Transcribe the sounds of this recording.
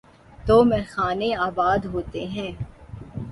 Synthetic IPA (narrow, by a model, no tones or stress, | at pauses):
t̪oːmɛ̃xaːneaːbaːd̪ɦoːt̪eɦɛ̃ː